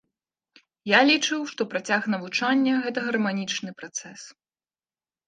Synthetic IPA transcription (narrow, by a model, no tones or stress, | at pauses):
jalʲit͡ʂɨwʂt̪ɔpɾat͡sʲaxnɐvut͡ʂanʲːɐɣɛt̪ɐɣɐrmanʲit͡ʂnɨpɾat̪sɛs